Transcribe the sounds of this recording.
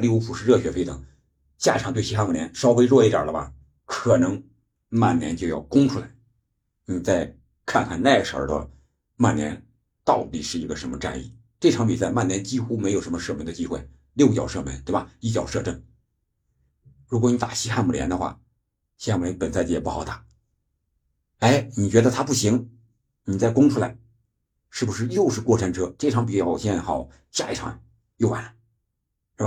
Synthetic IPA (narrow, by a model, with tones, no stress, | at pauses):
li˥˧u˥pʰu˨˩ʂɻ̩˥˧ɻɤ˥˩ɕɥɛ˧˥fe˥ɪt̪ɤ˨˩˦ŋ | ɕja˥˩ʈ͡ʂʰŋt̪we˥˩i˥xa˥˧nmu˨˩ljɛ˧˥nʂɑ˥ʊwe˥ɪɻwɔ˥˧i˥˩t̪jə̰˨˩lə˦bɐ̰˧ | kʰɤ˨˩nɤ˧˥ŋ | ma˥˩nnjɛ̰˧˥nt͡ɕjo˥˧ʊjɑ˥˩ʊkʊ˥ŋʈ͡ʂʰu˥la˧˥ɪ | n̩˥˩t͡sa˥˧ɪ | kʰa˥˧nkʰa˥˧nna˥˩i˧˥ɡə˩ʂə̰˧˥t̪ə̰˧ | ma˥˩njɛ˧˥n | t̪ɑ˥˩ʊt̪i˨˩ʂɻ̩˥˩i˧˥ɡə˧ʂə˧˥nmə˧ʈ͡ʂa̰˥˧nḭ˥˩ | ʈ͡ʂɤ˥˩ʈ͡ʂʰŋpi˨˩t͡sa˥˧ɪma˥˩njɛ˧˥nt͡ɕi˥xu˥me˧˥ɪjo˨˩ʊʂə˧˥mə˧ʂɤ˥˩mə˧˥ŋd̪ə˧t͡ɕi˥xwe˥˩ɪ | ljo˥˩ʊt͡ɕjɑ̰˨˩ʊʂɤ˥˩mə˧˥nt̪we˥˩ɪ˩ba˨˩i˥˩t͡ɕjɑ˨˩ʊʂɤ˥˧ʈ͡ʂə˥˩ŋ | ɻu˧˥kwɔ˧˥ni˧˥t̪ḁ˨˩ɕi˥xa˥˧nmu˨˩ljɛ̰˧˥nd̪ə˧xwa̰˥˩ | ɕi˥xa˥˩mu˨˩jɛ˧˥npə˨˩nst͡ɕɛ˨˩pu˥˩xɑ˨˩ʊt̪a˨˥˩ | e˥˩ɪni˨˩t͡ɕɥɛ˧˥d̪ə˧t̪ʰa˥pu˥˩ɕi˧˥ŋ | ni˨˩t͡sa˥˩ɪkʊ˥ŋʈ͡ʂʰu˥la̰˧˥ɪ | ʂɻ̩˥˩bu˩ʂɻ̩˥˧jo˥˧ʊʂɻ̩˥˧kwɔ˥˩ʈ͡ʂʰa˥˩nʈ͡ʂʰɤ˥ʈ͡ʂe˥˩ʈ͡ʂʰɑ˧˥ŋpi˨˩t͡ɕjɕxɑ˨˩˦ʊ | t͡ɕa˥˧ɪ˥ʈ͡ʂʰɑ̰˧˥ŋ | jo˥˩ʊwa̰˨˩n˥˧˥ | ba˥˩